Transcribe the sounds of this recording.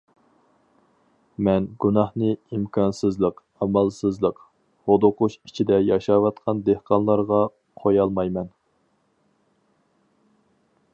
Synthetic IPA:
mɛnɡunɑhnɨimkʰɑnsɨzlˠəq | ɑmɑlˠsɨzlˠəq | hod̪oqʊʃit͡ʃʰid̪ɛjɑʃɑwɑt̪̚qʰɑnd̪ehqɑnlˠɑɾʁɑ | qʰojɑlˠmɑjmɛn

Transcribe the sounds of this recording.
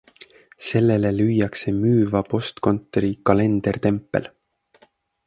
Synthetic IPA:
se̞lːe̞le̞lyjɑkse̞myːvɑpo̞st̪ko̞nt̪ːˑoɾikɑle̞nd̪̥ert̪e̞mpːˑe̞̰l

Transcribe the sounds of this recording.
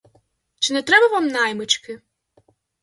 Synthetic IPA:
t͡ʃɪnɛt̪ɾɛbɐʋamnajmɪt͡ʃkɪ

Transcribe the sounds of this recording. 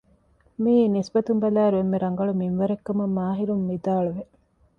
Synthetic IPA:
miːnisbɐt̪umbɐlæːɾuemːeɾɐŋɡɐɭuminʋɐɾekːɐmɐmːaːɦiɾumːid̪aːɭuʋe

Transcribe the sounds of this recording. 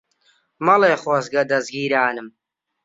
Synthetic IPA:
mɐleːχwɐsɡɐd̪ɐzɡiːɾaːnɨm

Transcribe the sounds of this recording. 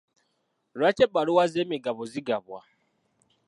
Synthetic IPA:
ɾat͡ʃeɓaɾuwazemiɡaβɔziɡaβa

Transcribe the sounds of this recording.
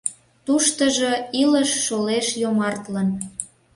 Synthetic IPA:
t̪uʃt̪əʒoiləʃːoleʃjomɑrt̪lən

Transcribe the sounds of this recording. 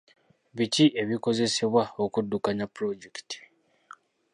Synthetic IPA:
βiciʔe̞βiko̞ze̞se̞βwao̞kudːukaɲapɾo̞ɟekti̥

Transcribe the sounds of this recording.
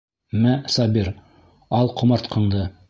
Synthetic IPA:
mæsɑbʲiɾ | ɑlˠqŏmɑɾt̪qʰɤ̆ɴd̪ɤ

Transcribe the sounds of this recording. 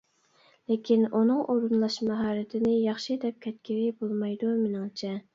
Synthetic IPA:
lekʲʰinunɨŋʔoɾunlˠɑʃmɑɦɑːɾɪt̪ʰɪnɪjɑχʃid̪ɛp̚kʲʰɛt̪̚kʲiɾɪbolˠmɑjd̪umɪnɪŋt͡ʃʰɛ

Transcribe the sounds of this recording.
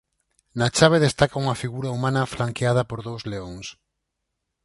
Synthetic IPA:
nat͡ʃaβeðest̪akauŋɐfiɣuɾaumãnɐflaŋkeað̞ɐpoɾðowzleoŋs

